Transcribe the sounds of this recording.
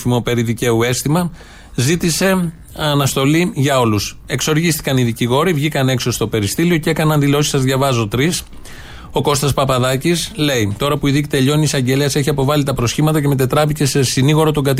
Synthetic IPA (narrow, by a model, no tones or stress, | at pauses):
fimo̞pe̞ɾiðice̞ue̞st̪imɐ | zit̪ise̞ | ɐnɐst̪o̞liʝɐo̞lus | e̞kso̞ɾʝist̪i̥kɐniðiciɣo̞ɾivʝikɐne̞kso̞st̪o̞pe̞ɾist̪ilio̞cekɐnɐnðilo̞si̥sɐzðʝɐvɐzot̪ɾis | o̞ko̞st̪ɐspɐpɐðɐcisle̞it̪o̞ɾɐpuiðici̥t̪e̞ʎo̞niːsɐɲɟe̞leɐse̞çiɐpo̞vɐlit̪ɐpɾo̞sçimɐt̪ɐce̞met̪e̞t̪ɾɐvice̞sesiniɣo̞ɾot̪o̞ŋɡɐt̪i